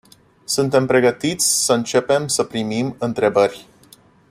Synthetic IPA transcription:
sunt̪e̞mpɾe̞ɡət̪it̪sʲsəɨnt͡ʃe̞pe̞msəpɾimimɨnt̪ɾe̞bərʲ

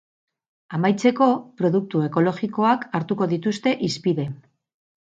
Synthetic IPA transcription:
amajt͡se̞ko̞pɾo̞ðuk̚t̪ue̞ko̞lo̞ʝiko̞akaɾt̪uko̞ðit̪ust̪e̞ʔispiðe̞

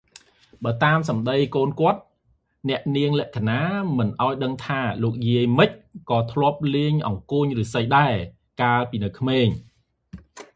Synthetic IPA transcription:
ɓaːt̪aːmsɑmɗəjkoːnkŏət̪̚ | nɛ̆əʔniəŋlɛ̆əʔkʰanaːmɨnʔaɔjɗəŋt̪ʰaːloːk̚jiəjmɨc̚kɑːt̪ʰlŏəp̚liəɲʔɑ̰ŋkuːɲrɨːsəjɗaɛ | kaːəlpiːnɨwkʰmeːɲ

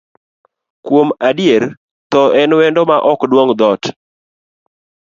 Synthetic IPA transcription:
kwomadɪjeɾ | t̪ɔʔɛnwɛndɔmaʔɔkdwoŋd̪ɔt

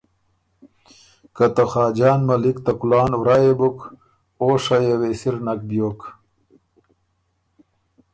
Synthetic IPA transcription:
kat̪axaːd͡ʑaːnmɐlikt̪akulaːnwɾajebuk | oːʂajewesiɾnak̚bjoːk

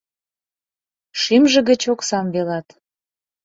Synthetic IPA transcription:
ʃimʒə̆ɣə̆t͡ɕoksɑmβelɑt̪

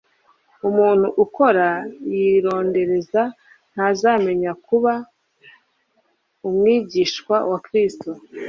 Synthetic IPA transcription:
umuːn̥huʔuko̞ɾajiɾo̞ːnde̞ɾe̞za | n̥hazaːme̞ɲakuβa | umŋiːɟiʃkwawakɾisto

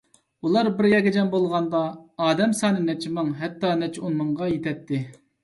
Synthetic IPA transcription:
ulˠɑɾbɪɾjɛkʲɛd͡ʒɛnbolˠʁɑnd̪ɑːd̪ɛmsɑːnɨnɛt͡ʃʰɪmɨŋɦɛt̪ːɑnɛt͡ʃʰunmɨɴʁɑjet̪ʰɛt̪ʰːɪ

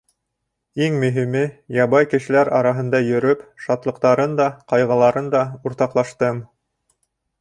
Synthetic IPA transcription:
iŋmɵ̆ɦimɘjɑβɑjkɘ̆ʃɘ̆læɾɑɾɑɦɤ̆nd̪ɑjɵ̆ɾɵpʃɑt̪lˠɤ̆qt̪ɑɾɤnd̪ɑqɑjʁɑlˠɑɾɤnd̪ɑuɾt̪ɑqlˠɑʃt̪ɤm

